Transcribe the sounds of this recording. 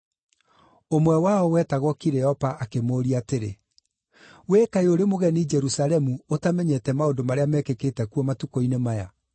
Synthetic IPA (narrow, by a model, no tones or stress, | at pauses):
omwɛwaɔwɛtaɣɔkiɾɛɔpaːkemoːɾiateɾḛ | wekaeoɾemoɣɛnid͡ʒɛɾusalɛmuotamɛɲɛtɛmaodomaɾeamɛkeketɛkuɔmatukoinemaja̰